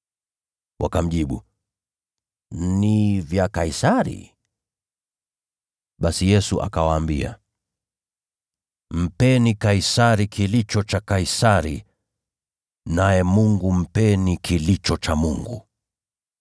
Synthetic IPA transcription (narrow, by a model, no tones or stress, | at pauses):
wʔa̰kam̩ʄiɓṵ | nivjakaisaɾḭ | ɓasijɛsuʔa̰kawaːmbia̰ | m̩pɛnikaisaɾikʰilit͡ʃɔt͡ʃakaisaɾḭ | najɛmuŋɡum̩pɛnikʰilit͡ʃɔt͡ʃamuŋɡu